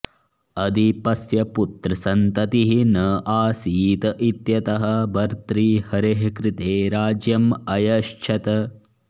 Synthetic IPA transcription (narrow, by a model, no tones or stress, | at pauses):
ɐd̪ipɐsjɐput̪ɾɐsɐnt̪ɐt̪iɦinɐːʔaːsiːt̪ɐʔit̪jɐt̪ɐɦɐ̆bɐɾt̪ɾiːhɐɾeɦkɾɪt̪eːɾaːd͡ʒjɐmɐjɐʃt͡ʃʰɐt̪ɐ